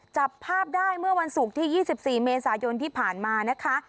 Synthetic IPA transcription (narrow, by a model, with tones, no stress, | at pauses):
t͡ɕa˨˩pʰːaː˥˩p̚daː˥˩jmɯ˥˩əwa˧nsu˨˩k̚t̪ʰiː˥˩jiː˥˩si˨˩p̚siː˨˩meː˧saː˩˦jo˧nt̪ʰiː˥˩pʰaː˨˩nmaː˧na˦˥kʰa˦˥